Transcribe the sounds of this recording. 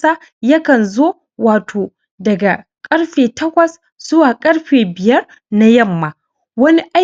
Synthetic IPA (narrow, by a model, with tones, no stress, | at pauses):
a˦ | jɐ˦kɐ˨nzoː˦ | waː˨tʰoː˨ | dɐ˨ɡa˨ | kʼɐ˦ɽɸeː˨tɐ˦kʷɐ˨s | z̥ʊ˦waː˨kʼɐ˦ɽɸeː˨bɪ˨jɐ˦r | na˦jɐ˦˨mːaː˨ | wɐ˦ni˦ʔa˦